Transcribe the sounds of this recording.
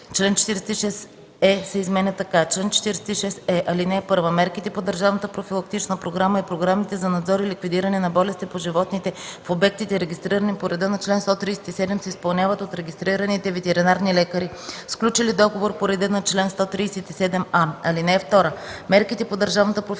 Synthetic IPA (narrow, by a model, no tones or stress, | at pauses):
t͡ʃlɛnt͡ʃɛ̥t̪iɾɛsɛt̪iʃɛs | ɛsɛizmɛnʲət̪ɐkat͡ʃlɛnt͡ʃɛ̥t̪iɾɛsɛt̪iʃɛsɛʔɐlinɛːpɤɾvəmɛɾkit̪ɛpod̪ɐɾʒavnət̪əpɾofilˠɐk̚t̪it͡ʃnəpɾoɡɾaməipɾoɡɾamit̪ɛzɐnɐd̪zɔɾilikvid̪iɾɐnɛnɐbɔlɛst̪ipoʒivɔt̪nit̪ɛfobɛk̚t̪it̪ɛɾɛɡʲist̪ɾiɾənipoɾɛd̪ɤnɐt͡ʃlɛnst̪ɔt̪ɾijsɛ̥t̪isɛd̪ɛmsɛispɐlˠnʲavɐt̪ot̪ɾɛɡʲist̪ɾiɾɐnit̪ɛvɛt̪ɛɾinaɾnilɛkəɾi | sklʲut͡ʃilid̪ɔɡovoɾpoɾɛd̪ɛnɐt͡ʃlɛnst̪ɔt̪ɾijsɛt̪isɛd̪ɛmaɐlinɛɛft̪ɔɾəmɛɾkit̪ɛpod̪ɐɾʒavnət̪əpɾof